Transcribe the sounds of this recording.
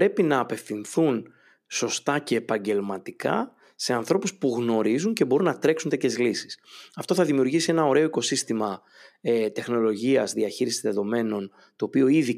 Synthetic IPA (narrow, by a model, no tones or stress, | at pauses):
pɾe̞pinɐːpe̞fθinθun | so̞st̪ɐce̞ːpɐɲɟe̞lmɐt̪ikɐ̰ | se̞ɐnθɾo̞puspuɣno̞ɾizuɲce̞bo̞ɾunːɐt̪ɾe̞ksunt̪ecʰçe̞zlisi̥sɐft̪o̞θɐðimiuɾʝisie̞nɐo̞ɾe̞o̞iko̞sist̪imɐ | t̪e̞xno̞lo̞ʝiɐzðiɐçiɾisizðe̞ðo̞me̞no̞n | t̪o̞ːpio̞iði